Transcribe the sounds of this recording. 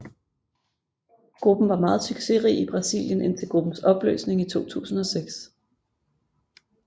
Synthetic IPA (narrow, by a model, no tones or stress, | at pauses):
ɡ̥ʁub̥n̩ʋɑ̈mɑ̈ːð̞̩ˠsyɡ̥se̝ʁḭːib̥ʁɑ̈sḭːljənʔen̰t͡sʰe̝lɡ̥ʁub̥n̩sɒ̽b̥lø̰ːsne̝ŋit͡sʰo̝̰ːt͡sʰṵːsn̩ɒ̽seɡ̥s